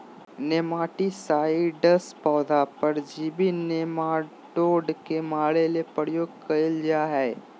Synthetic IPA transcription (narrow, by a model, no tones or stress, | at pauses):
neːmaːʈisaːiɖəspɔːd̪apɐɾd͡ʒiːbinemaː | ʈoːɖkemaːɽelepəɾjoːɡ̚kɐɪld͡ʒaːɦɛː